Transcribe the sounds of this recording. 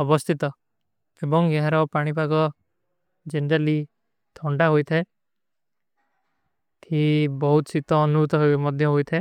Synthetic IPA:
ɔbɔst̪ʰit̪ɔ | ebɔŋɡeɦaɾɔpaɽ̃ipaɡɔ | d͡ʒenɾali | t̪ʰɔɳɖaɦojt̪ʰae | t̪ʰibɔɦut̪ɔt͡ʃʰit̪ɔːnuɾut̪ɔɦomɔd̪ʱjɔɦojt̪ʰae

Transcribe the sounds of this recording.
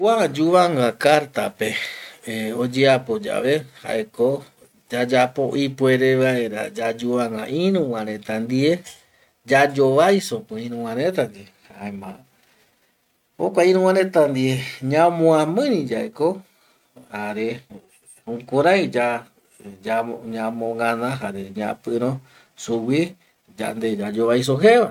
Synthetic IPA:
wad͡ʒuβaŋɡakaɾt̪ape | od͡ʒeapo̞d͡ʒa̰ʋe̞ha̰ʔeko | d͡ʒad͡ʒapoʔipwe̞ɾe̞ʋae̞ɾa̰d͡ʒad͡ʒuβaŋɡã̰ʔĩɾũwãɾẽt̪and̪ie | d͡ʒad͡ʒo̞ʋajsopɨ̃ĩɾũw̃ãɾẽt̪ad͡ʒe | haemã | okʷaĩɾ̃ũw̃ãɾẽt̪and̪ieɲãmõãmɨ̃nĩd͡ʒaeko | haɾe | ũkuɾãjd͡ʒa | d͡ʒaɲãmõŋãnãɦaɾeɲã̰pɨɾ̃õ | suwi | d͡ʒa̰nd̪ed͡ʒad͡ʒoβajs̬oɦeβa

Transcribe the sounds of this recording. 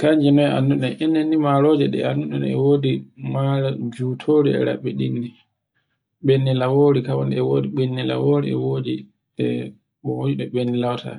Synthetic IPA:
kaɲd͡ʒinɔja̰nːuɗɛninːɛnːimaɾɔd͡ʒɛɗɛ̰anːuɗɛnɛ̰woːdimaɾad͡ʒutʰoːɾiɛ̰ɾa̰ɓːɛɗindi | ɓenːilawoːɾikawɔnɛɛwodiɓenːila̰woːɾḭɛ̰wodi | ɛ̰ | ɓɔwod͡ʒiɗɔɓenːilawtʰa̰

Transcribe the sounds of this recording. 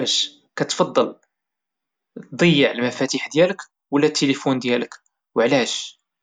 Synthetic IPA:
æʃ | kæt̪fɑd̪ˤːɑl | d̪ˤəjːəʕəlmæfæt̪iħd̪jælək | wlːæt̪ʰːelifund̪jælək | wəʕlæʃ

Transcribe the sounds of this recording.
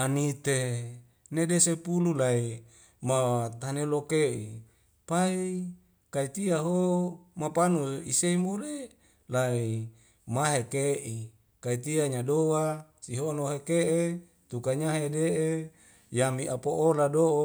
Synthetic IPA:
anit̪e | nedesepululai | mawat̪anelokeʔḭ | pai | kait̪iaɦomapanuḭseimule | lai | maɦekeʔi | kait̪iaɲadowasiɦonoɦekeʔe | t̪ukaɲaɦedeʔe | jamiʔapoʔoladoʔ

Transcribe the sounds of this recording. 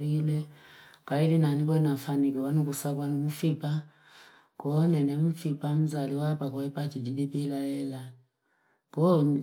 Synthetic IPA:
ɾilɛkaidinanik̬ɔnafanikɛwanukusakwanumufipa | kɔnɛnemufipam̩zaliwapakɔɛpatidiɓipilaɛla | kɔ

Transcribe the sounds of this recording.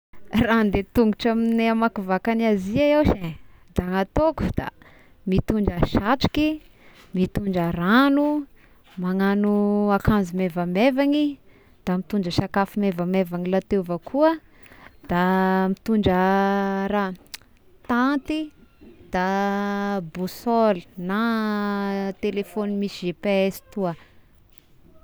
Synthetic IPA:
rand̪et̪uŋɡuʈ͡ʂamineamakuvakanaziaewʃed̪aŋat̪oku̥d̪̥a̰ | mit̪uɳɖ͡ʐəʃaʈ͡ʂi̥ki | mit̪uɳɖ͡ʐaranu | maŋanuakanzumevamevaŋi | d̪̥amit̪uɳɖ͡ʐəʃakafimevamevanilat̪evəkʰuə | d̪̥amit̪uɳɖ͡ʐə | ɾa | t̪ant̪id̪̥a | busolina | t̪elefonimisiʒepeesi̥t̪uə

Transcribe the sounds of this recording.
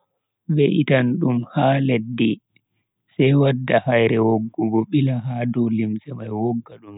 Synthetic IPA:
bɛʔitanɗumhaːledːi | sɛjwadːahajɾɛwoɡːɔɡɔɓilaɦaːdɔlimsɛmajwɔɡːaɗum

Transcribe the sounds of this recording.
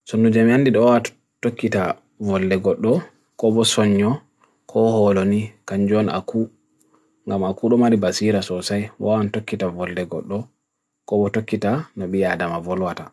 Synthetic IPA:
sonːud͡ʒamandiɗɔwa | tokːita | vɔlːɛɡɔɗːɔ | kɔbɔsɔɲːɔ | kʰɔhɔlonikaɲd͡ʒɔna̰ku | ŋɡamakuɗɔmaɾibasiɾasɔsajwa̰wantokːitavɔldɛɡɔ̰ɗːɔ | kɔbɔtokːitanɔɓijadamavɔlwata

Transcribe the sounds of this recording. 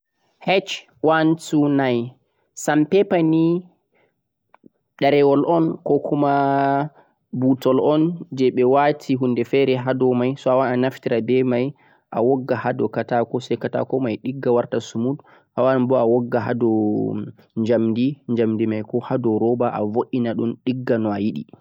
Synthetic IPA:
hɛt͡ʃ | wansunaj | sampɛpani | ɗaɾɛwɔlʔɔnkɔkʰuma | butɔlɔnd͡ʒɛɓɛwatʰiɦundɛfɛɾɛɦadɔmajsɔawaɗanaftiɾadɛmaj | ʔa̰wɔɡːahadɔkatakɔsɛjkata̰kɔmajɗiɡːawaɾtasumud | hawanbɔawɔɡːaɦa̰dɔ | ɲd͡ʒamdiɲd͡ʒamdimajkɔhadɔɾɔbaʔa̰voʔinaɗunɗiɡːanɔajiɗḭ

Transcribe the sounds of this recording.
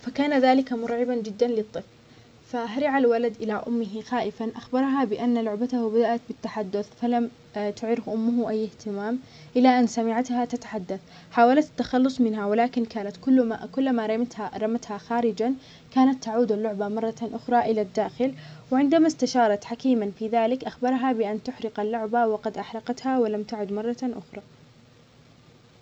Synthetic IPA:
fakaːnaðaːlɪkamʊɾʕɪband͡ʒɪd̪ːanlɨt̪ˤːɨfl | faɦaɾɪʕalwalad̪ʔɪlaʔʊ̰mːɪɦixaːʔɪfanʔaxbɑɾˤɦabɪʔanːalʊʕbat̪ahbad̪aʔat̪bɪt̪ːaħad̪ːʊθfalam | t̪ʊʕɾɪfʔʊmːʊhʔajːɪht̪ɪmaːm | ʔɪlaʔanːsamɪʕat̪hat̪at̪ḁħad̪ːaθ | ħaːwalat̪ḁt̪ːaxɑlːʊsˤmɪnɦawɪlaːkɪnkaːnat̪kʊlːkʊlːmaɾˤɑmt̪haɾˤɑmat̪haxaːɾɪd͡ʒan | kaːnat̪ːaʕuːd̪alːʊʕbamɑrˤːɑʔʊxɾˤɑʔɪlad̪ːaːxɪlwɪʕɪnd̪amast̪aʃɑːɾˤɑt̪ħakiːmanfiːðaːlɪkʔaxbɑɾˤɦabɪʔant̪ʊħɾɪqalːʊʕbawɪqɑd̪ʔaħɾɑqɑt̪hawɪlamt̪aʕʊd̪mɑrˤːɑʔʊ̰xɾˤɑː

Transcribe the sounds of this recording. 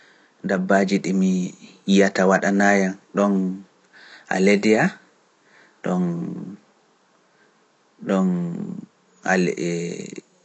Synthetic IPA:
ndabːad͡ʒiɗimi | ijatawaɗanaːjanɗɔn | ʔa̰ledija | ɗɔn | ɗɔn | a̰l

